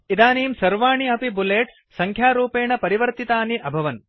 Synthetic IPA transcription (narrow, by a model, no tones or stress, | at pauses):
id̪aːniːmsɐɾʋaːɳiɐpibuleːʈ | sɐŋkʰjaːɾuːpeːɳɐpɐɾiʋɐɾt̪it̪aːniʔɐbʱɐʋɐn